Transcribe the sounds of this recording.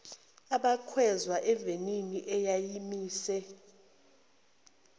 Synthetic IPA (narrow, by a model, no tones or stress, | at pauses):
aɓakʰwɛzwaʔɛveniniʔɛjajimiːsɛ